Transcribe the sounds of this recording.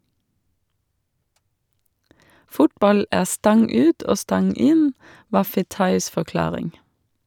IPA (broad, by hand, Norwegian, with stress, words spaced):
ˈfʊtbɑl ˈæː ˈstɑŋ ˈʉːt ˈoː ˈstɑŋ ˈɪn ˈʋɑː ˈfeːtɑɪs fɔˈklɑːʁɪŋ